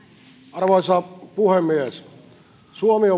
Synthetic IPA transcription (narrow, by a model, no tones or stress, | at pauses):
ɑrʋɑisɑpuhemːies | suomio